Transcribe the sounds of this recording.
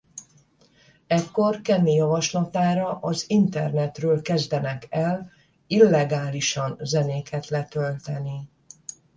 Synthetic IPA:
ɛkːo̞rkɛmːijɒvɒʃlɒt̪aːɾɒʔɒzint̪ɛ̰rnɛt̪røːlkɛzd̪ɛnɛkɛl | ilːɛɡaːliʃɒnzɛneːkʰɛt̪lɛt̪ølt̪ɛni

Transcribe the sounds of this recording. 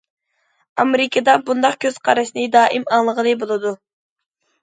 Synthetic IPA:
ɑmeɾɪkʰʲəd̪ɑbund̪ɑqkʲʰøz̥qʰɑɾɨʃnɨd̪ɑːʔimɑŋlˠəʁənɨbolˠɨd̪u

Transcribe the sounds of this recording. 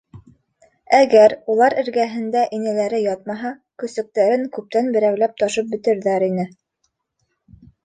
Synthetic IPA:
æɣæɾulˠɑɾɘ̆ɾɡæɦɘ̆nd̪æʔinɘ̆læɾɘjɑt̪̚mɑɦɑkɵ̆sɵ̆k̚t̪æɾɘŋkʉp̚t̪ænbɘ̆ɾæwlæp̚t̪ɑʃɤp̚bɘ̆t̪ɘ̆ɾðæɾinɘ

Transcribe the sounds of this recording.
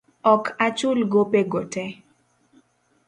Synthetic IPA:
ɔkʰat͡ʃʊlɡopeɡotɛ

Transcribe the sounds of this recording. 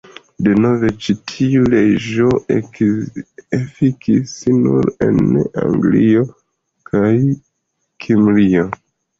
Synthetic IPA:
deno̞ve̞t͡ʃitʰiuled͡ʒo | efikʰisnṵɾe̞̰na̰ŋɡlio̞ | kʰaj | kʰimlio

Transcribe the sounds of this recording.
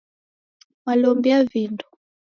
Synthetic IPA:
malɔmbiavindu

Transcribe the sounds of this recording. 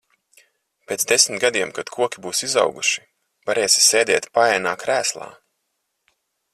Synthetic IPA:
pʲeːt̪sd̪esmʲt̪̚ɡad̪iɛmkad̪̥kʰuɔkʲibuːsiza̰wɡuʃi̥ | vaɾeːsʲi̥sʲeːd̪ʲɛːt̪paɛːnaːkɾæːslˠa̰ː

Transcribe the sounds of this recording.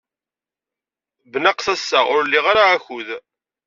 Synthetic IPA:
bənaqθæsːaʁʊɾlːiʁaɾaːçuð

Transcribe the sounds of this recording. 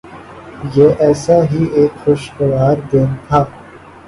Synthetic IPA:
jeːʔɛːsaɦiːeːkxoʃkəʋaːɾd̪eːnt̪ʰaː

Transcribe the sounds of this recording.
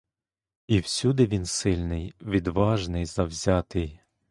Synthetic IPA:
iwsʲud̪ɪʋʲinsɪlʲnɪjʋʲid̪ʋɑʒnɪjzɐwzʲɑt̪ɪj

